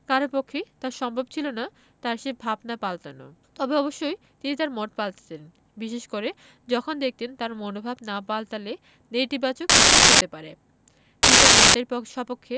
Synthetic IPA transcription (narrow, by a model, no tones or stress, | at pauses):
kaɾoɾpokʰːet̪aɾʃɔmbʱobt͡ɕʰilona | t̪aɾʃebʱabnapalt̪ano̰t̪ɔbeɔboʃːoj | t̪init̪aɾmɔʈ̚palt̪e̥t̪en | biʃeʃkoɾe | d͡ʑɔkʰond̪ek̚ʰt̪ent̪aɾmonobʱabnapalt̪ale | nejt̪ibat͡ɕokːit͡ɕʰuɦot̪epaɾe | t̪init̪aɾmɔʈeɾoʃɔpokʰːe